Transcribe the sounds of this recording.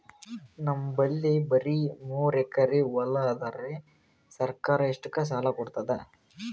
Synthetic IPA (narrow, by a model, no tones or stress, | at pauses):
nɐmːbɐlːibɐɾimoːɾɛkːɐɾiʋɔlːad̪ɐɾe | sɐɾkaːɾɐeʂʈukːɐs̬aːlɐkɔɽt̪ɐd̪e